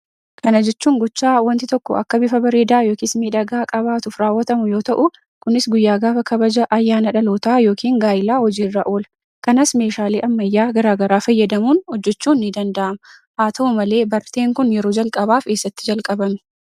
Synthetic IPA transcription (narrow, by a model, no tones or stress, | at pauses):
kɐnɐd͡ʒɛt͡ʃːuːŋɡɔt͡ʃːaːwɔnt̪ɪt̪ɔkːɔɐkːɐbɪfɐbɐɾeːd̪aːjo̞ːkismiːᶑɐɡaːkʼɐbaːt̪ʊfɾaːwːɐt̪ɐmʊjo̞ːt̪ɐʔʊ | kʊnɪsɡʊjːaːɡaːfɐkʰɐbɐd͡ʒɐʔɐjːaːnɐᶑɐloːt̪aːjo̞ːkiːŋɡaːjɪlaːhɔd͡ʒiːrːɐʔoːlɐ | kɐnɐsme̞ːʃaːleːʔɐmːɐjːaːɡɐɾaːɡɐɾaːfɐjːɐd̪ɐmuːnhɔd͡ʒːɛt͡ʃːuːnːɪd̪ɐnd̪ɐʔɐmɐ | haːt̪ʰɐʔʊmɐle̞ːbɐɾt̪e̞ːŋkʊnjɛɾoːd͡ʒɐlkʼɐbaːfke̞ːsːɐt̪ːɪ̥d͡ʒɐlkʼɐbɐmɪ̥